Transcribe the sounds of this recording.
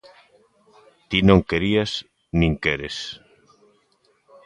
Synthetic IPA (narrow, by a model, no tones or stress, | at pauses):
t̪inõŋkeɾias | nĩŋkeɾes